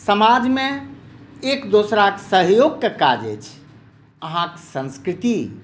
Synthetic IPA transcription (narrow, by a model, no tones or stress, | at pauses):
səmad͡ʒmẽ | ekd̪osɾakesəɦjoɡ̚kekad͡ʒḛt͡ʃʰ | əɦãkesə̃nskɾit̪i